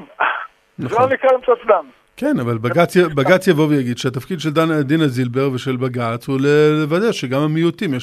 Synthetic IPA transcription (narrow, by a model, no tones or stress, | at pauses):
naanikalamsatdam | kenavalbaɡat͡sjabaɡat͡sjavo̞vjaɡid̪ʃeat̪afkid̪ʃeld̪and̪inazilbe̞ʁveʃe̞lbaɡat͡shulelevad̪eʃeɡamamijut̪imje